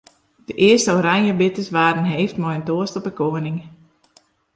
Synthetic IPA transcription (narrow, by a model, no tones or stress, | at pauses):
d̥əʔɪəstəoːɾanjəbɪtəsʋaːdən̩ɦeːftmɔjəntoəstɔpəkoənɪŋ